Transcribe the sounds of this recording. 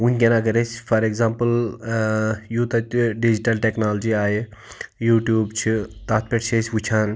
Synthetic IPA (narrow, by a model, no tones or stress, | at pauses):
unʲkʲenaɡɐɾesfɐɾekzãːmpəl | juːt̪ɐɖid͡ʒiʈɐlʈeknaːld͡ʒiaːjejuːʈjuːbt͡ʃʰit̪aːt̪̚ʰpeʈseːsʲʋut͡ʃʰaːn